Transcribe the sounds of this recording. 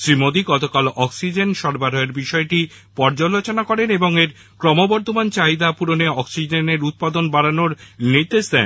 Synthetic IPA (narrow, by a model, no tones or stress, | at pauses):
ʃɾimod̪iɡɔt̪okalɔksid͡ʑenʃɔɾbaɾoeɾbiʃɔeʈi | pɔɾd͡ʑolot͡ɕonakɔɾeneboŋeɾ | kɾɔmobɔɾd̪ʱomant͡ɕaid̪apuɾoneɔksid͡ʑeneɾut̪̚pad̪onbaɾanoɾniɾd̪eʃd̪ɛ̰n